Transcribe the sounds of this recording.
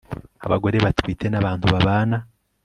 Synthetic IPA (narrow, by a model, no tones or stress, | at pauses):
a̰βaɡo̞ɾe̞βatwiːtʰe̞naβaːntuβaβaːna